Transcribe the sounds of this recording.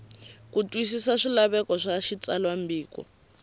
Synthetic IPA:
kutʼwisisaʂilaβɛkɔʂaʃit͡salwambiːkɔ̰

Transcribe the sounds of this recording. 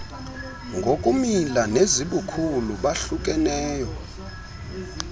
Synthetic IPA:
ŋɡʱokʼumilaneziɓukʰuluɓaɬuk̬ʼɛnɛːjɔ

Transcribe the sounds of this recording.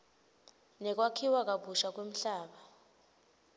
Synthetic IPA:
nɛk̬wakʰiwak̬ʼaɓuʃak̬wem̩ɬaːɓa

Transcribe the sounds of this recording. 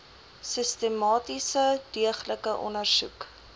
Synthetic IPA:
səstəmɑːtisədiəχləkəʔɔ̰nərsṵk

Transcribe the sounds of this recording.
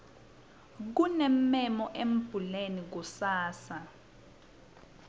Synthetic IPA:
k̬unɛmːɛmɔʔem̩b̥ʱulenik̬usaːsa

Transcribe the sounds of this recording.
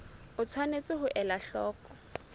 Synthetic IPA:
ʊt͡sʰwanet͡sʼɪɦʊʔɛlaɬɔːkɔ̥

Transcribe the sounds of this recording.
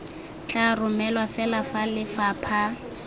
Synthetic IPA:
t͡ɬʼarʊmɛlwafɛlafalɪfaːpʰa

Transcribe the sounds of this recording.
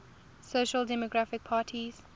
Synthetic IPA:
soʃəldɛmɔɡɹafɪk̚pʰaːtʰiz̥

